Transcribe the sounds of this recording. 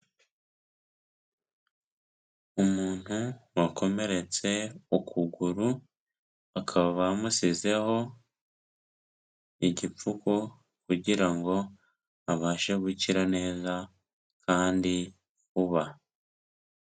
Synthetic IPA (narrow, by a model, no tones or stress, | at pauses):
umuːn̥huwakʰo̞me̞ɾe̞t͡se̞okʰuɡuɾu | akʰaβaβamusize̞ho̞ | iɟip͡fuko | kuɟiɾaŋɡo̞ | aβaːʃeβuciɾane̞ːza | kʰaːndi | kuβa